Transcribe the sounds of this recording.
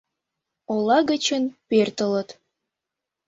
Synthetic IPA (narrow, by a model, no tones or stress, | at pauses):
olɑɣət͡ɕə̆npert̪ə̆lə̆t̪